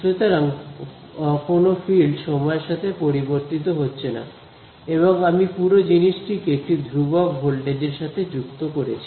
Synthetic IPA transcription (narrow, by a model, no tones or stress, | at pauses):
ʃet̪oɾaŋ | konofilɖʃɔmɔeɾʃat̪ʰepoɾiboɾt̪it̪̬oɦotːɕʰena̰ | eβoŋamipuɾod͡ʑiniʃʈikeek̚ʈid̪ʱɾubabʱolɖed͡ʑeɾʃat̪ʰed͡ʑukt̪okoɾet͡ɕʰi